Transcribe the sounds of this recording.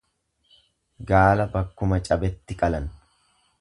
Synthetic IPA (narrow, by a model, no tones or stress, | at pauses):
ɡaːlɐbɐkːʊmɐt͡ʃʼɐbɛt̪ːɪkʼɐlɐn